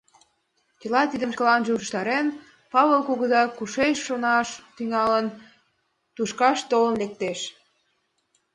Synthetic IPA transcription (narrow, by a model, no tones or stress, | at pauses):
t͡ɕilɑt̪id̪əmkə̆lɑnʒeuʃʃt̪ɑɾen | pɑβelkoɣəzɑkuʃeʃːonɑʃt̪yŋɑlən | t̪uʃkɑʃt̪olə̆nlek̚t̪eʃ